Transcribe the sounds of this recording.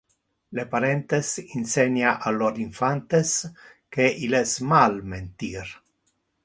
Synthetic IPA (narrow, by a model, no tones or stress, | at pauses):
lepaɾɛnt̪esinseɲaʔalːoɾiɱfant̪es | keʔilesmalment̪iɾ